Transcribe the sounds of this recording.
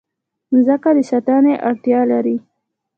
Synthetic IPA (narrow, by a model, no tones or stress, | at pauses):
zəkad̪əsat̪ɑneʔaɽt̪jɑlaɾi